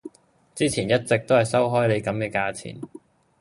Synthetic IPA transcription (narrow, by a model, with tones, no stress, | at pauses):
t͡siː˥t͡sʰiː˨˩njɐ˥t̚t͡sɪ˨k̚t̪o˥whɐ˨jsɐ˥wɦɔː˥jle˨˧jkɐ˨˥mkɛː˧kaː˧t͡sʰḭː˨˩n